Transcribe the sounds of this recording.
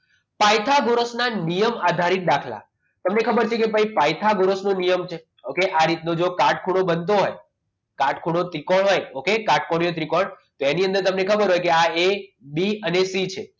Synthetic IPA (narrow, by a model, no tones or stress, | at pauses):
pajt̪ʰaɡoɾəsnanijəmad̪ʱaɾit̪̚ɗakʰla̰ | t̪əmnekʰəbəɾt͡ʃʰekepəipajt̪ʰaɡoɾəsnonijəmt͡ʃʰe | okeʔaɾit̪nod͡ʒokaʈ̚kʰuɽ̃obənt̪̬oɦɔj | kaʈkʰuɽ̃ot̪ɾikoɽɦɔjokekaʈ̚koɽ̃ijot̪ɾikoɳt̪oeniə̃nd̪əɾt̪əmnekʰəbəɾɦɔjkeaebiənesit͡ʃʰe